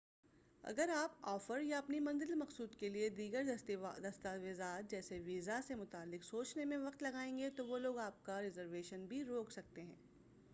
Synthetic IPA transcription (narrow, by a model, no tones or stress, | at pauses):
ɐ̰ɡəɾaːpɔːfəɾjaɐpnimɐ̃nzɪlmɐqsuːd̪kelied̪iːɡəɾd̪ɐst̪aʋɪzaːt̪̚d͡ʒɛːseʋiːzasemʊt̪aːlːɪqsoːt͡ʃnemẽʋɐqt̪lɐɡaːẽːŋɡet̪oʋoloːɡaːp̚kaɾɪzəɾʋeːʃənbʱiɾoːksɐk̚t̪eɦɛ̃ː